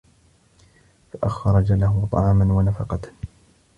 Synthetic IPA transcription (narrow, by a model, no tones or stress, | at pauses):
faʔaxɑɾˤɑd͡ʒalahʊt̪ˤɑ̰ʕɑːmanwanafɑqɑt̪